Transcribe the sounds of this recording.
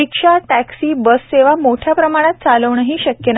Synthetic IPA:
ikʂaʈæksiːbəst̪eʋ̤amoʈʰjapɾəmaɽ̃at̪̚t͡saləʋɳəɦiːɕəkjən

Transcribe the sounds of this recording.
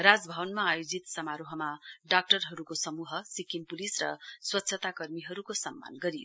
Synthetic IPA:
rad͡zbʱʌwʌnmaːjod͡zit̪sʌmaɾoɦʌmaɖak̚ʈʌrɦʌɾukosʌmuɦʌsikimpulisrʌ̰swʌt̪ːsʰʌt̪akʌrmiɦʌɾukosʌmːa̰nɡʌɾijo̰

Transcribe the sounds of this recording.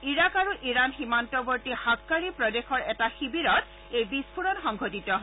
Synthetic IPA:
iɹakaɹuʔiɹanximantɔbɔɹtihakːaɹipɹɔdexɔɹɛtaxibiɹɔt | ejbispʰuɹɔnxɔŋɡʱotitɔ

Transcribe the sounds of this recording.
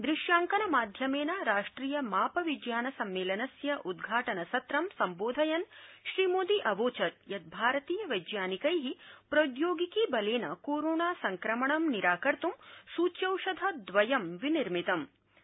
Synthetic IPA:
d̪ɾiʃjaːŋkɐnɐmaːd̪ʱjɐmeːnɐɾaːʂʈɾiːjɐmaːpɐʋid͡ʒjaːnɐsɐmːeːlɐnɐsjɐʔud̪ɡʱaːʈɐnɐsɐt̪ɾɐmsɐmboːd̪ʱɐjɐnʃɾimoːd̪iʔɐʋoːt͡ʃɐt̪̚jɐt̪̚bʱaːɾɐt̪iːjɐʋɐjd͡ʒjaːnikɐjɦipɾɐd̪joːɡikibɐleːnɐ̰koːɾoːɳaːsɐŋkɾɐmɐɳɐmniɾaːkɐɾt̪umsuːt͡ʃjɐwʂɐd̪ʱɐd̪ʋɐjɐmʋiniɾmit̪ɐm

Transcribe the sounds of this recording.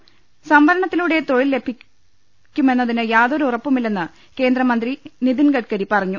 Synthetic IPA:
sɐmbʱɐɾɐɳɐt̪ːiluːɽe̞t̪o̞ɻilːe̞bʰʱi | kʲːume̞nːɐðinɨjaːðo̞ɾuurɐpːumilːenːɨ | ke̞ːnd̪rɐmɐnd̪riniðinɡɐʈ̚kɐɾipɐrɐɲːu

